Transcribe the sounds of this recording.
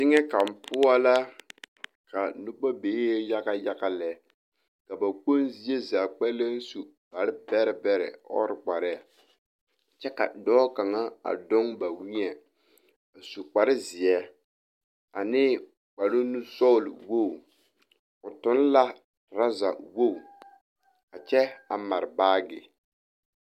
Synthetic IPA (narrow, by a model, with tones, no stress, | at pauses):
tɪ˦ŋɛ˦ka˨m˨pʊ˦a˦la˦ | ka˨nʊ˦k͡pa˦beː˨˦ja˦ɣa˦ja˦ka˦lɛ˨˦ | ka˨ba˨k͡po˦nzi˦ɛ˦zaː˨k͡pɛ˦le˦n˦su˨ | ba˨ɾɪ˦bɛ˦ɾɪ˨bɛ˦ɾɛ̰˨ɔ̰˦ɾɪ˨k͡pa˨ɾɪ˦a˨ | t͡ʃɛ˦ka̰˨dɔː˦ka˨ŋa˦a̰˨dɔ˦ŋba˨wi˦ɲɛ˨ | a˨su˨k͡pa˨ɾɪ˦zɪ˨jɛ˦ | a˨nɪː˦ | k͡pa˨lʊ˦nu˦sɔ˦˨lwo˦˨ | ʊ˨tʊ˦n˦la˦ | ɾa˦za˨wo˦˨ | a˨t͡ʃɛ˦a˨ma˨ɾɪ˨baː˦ɡɪ̰˨